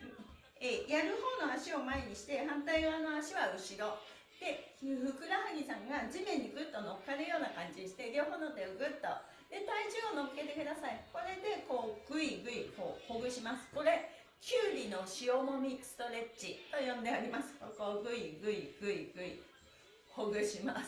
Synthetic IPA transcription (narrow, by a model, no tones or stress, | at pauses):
eːjaɾɯ̟ho̞ːno̞aɕio̞maeɲ̟iɕi̥t̪e̞hãnt̪aiβanoaɕiβaɯ̟ɕiɾo̞ | d̪̥e̞hɯ̟kɯ̟ɾahɯ̟ɲ̟isãŋɡad͡ʑimẽ̞ɲ̟ːiɡɯ̟t̪ːo̞no̞kkːanɯjo̞ːnakãɲ̟d͡ʑiɕi̥t̪e̞ɾʲo̞ːɦo̞ːnot̪ːeoɡɯ̟t̪ːo̞̰ | d̪̥e̞t̪aid͡ʑiono̞kɯ̥ke̞t̪e̞kɯ̟d̪asaiko̞ɾe̞d̪e̞ko̞ːɡ̥ɯ̟iɡɯ̟iko̞ːho̞ɡɯ̟ɕimasɨ̥ko̞ɾe̞ | kʲɯːɾʲino̞ɕio̞mo̞mʲisɨ̥t̪o̞ɾe̞t͡ɕit̪o̞jõ̞nd̪e̞aɾʲimasɨ̥koko̞ːɡɯ̟iɡɯ̟iɡ̥ɯ̟iɡ̥ɯ̟i | ho̞ɡɯ̟ɕimas